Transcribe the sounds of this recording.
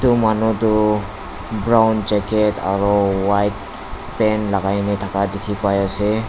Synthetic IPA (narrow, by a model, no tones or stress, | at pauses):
t̪umanut̪u | bɾawnd͡ʒeketʰaɾɔwajt̚ | penlaɡajnet̪ʰakadekʰipajase